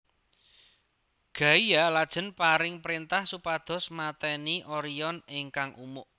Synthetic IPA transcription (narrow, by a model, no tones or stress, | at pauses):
ɡ̥a̤ijalad̥ʒ̥ə̤npaɾɪŋpɾint̪ahsupad̪̥ɔ̤smat̪ɛniʔoɾijɔnɪŋkaŋʔumʊʔ